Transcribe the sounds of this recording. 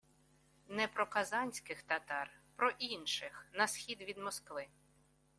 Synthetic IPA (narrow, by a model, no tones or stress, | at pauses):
nɛpɾɔkɐzɑnʲsʲkɪxt̪ɐt̪ɑrpɾɔʔinʃɪxnɐsxʲid̪ʋʲid̪mɔskʋɪ